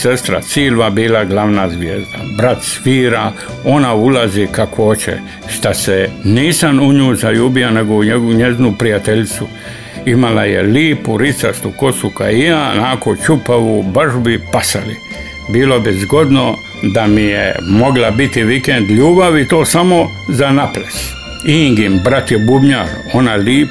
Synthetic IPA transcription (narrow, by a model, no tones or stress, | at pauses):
sest̪ɾa̰siːlʋabiːlaɡlaʋnazʋjeːzd̪a̰bɾat̪sfiːɾa | o̞naulazikakʰoot͡ɕḛ | ʃt̪aseniːsamuɲuːjzaʎuːbianeɡouɲeɡɲeznupɾijat̪eʎt̪su | imala̰jḛliːpuɾit̪sast̪uko̞suka̰ijaːnaːkot͡ʃupaʋubarʐbipasali | biːlo̞bizɡo̞d̪no | d̪amijḛmo̞ɡlabit̪iʋikend̪ʎuːbaʋit̪oːsamo̞ | zanaples | iŋɡimbɾat̪jebubɲa | onaliːp